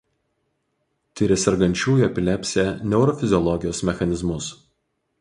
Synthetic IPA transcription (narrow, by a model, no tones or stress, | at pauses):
t̪ʲɪɾʲɛsʲɛɾɡɐnʲt͡ʃʲuːjɐpʲɪlʲɛpʲsʲɛːˑnʲɛʊɾɔfʲɪzʲɪɔlˠɔɡʲɪjoːsmʲɛxɐnʲɪzmʊs